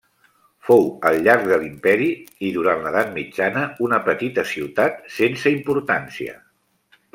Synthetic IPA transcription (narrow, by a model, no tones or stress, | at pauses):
fowəlˠʎaɾɡ̚ðəlimpɛɾiiðuɾantləðat̪̚mid͡ʒanəunəpət̪it̪əsiwt̪at̪sensəimpuɾt̪ansiə̰